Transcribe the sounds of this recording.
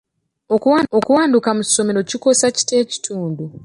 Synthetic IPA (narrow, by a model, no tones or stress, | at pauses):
okuwaːndukamu̥so̞meɾo̞ciko̞saci̥te̞ːci̥tʰuːndu